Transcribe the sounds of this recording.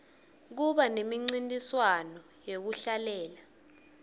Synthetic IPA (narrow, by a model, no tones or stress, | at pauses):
k̬uɓanemiŋ͡ǀintʼiswanɔ | jek̬uɬalɛːla